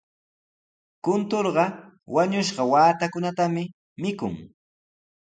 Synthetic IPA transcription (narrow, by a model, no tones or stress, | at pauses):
kʊnt̪oɾɢɑ | waɲʊʃɢɑwaːt̪akʊnat̪amɪ | mɪkʊ̰ŋ